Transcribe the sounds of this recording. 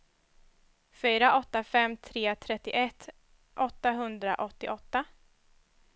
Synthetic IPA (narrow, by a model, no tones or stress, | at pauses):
fyːɾaʔɔt̪ːafɛmːt̪ʰɾeːt̪ʰɾɛt̪ːɪʔɛt̪ː | ʔɔt̪ːaɦɵnd̪ɾa̰ʔɔt̪ːɪʔɔt̪ːa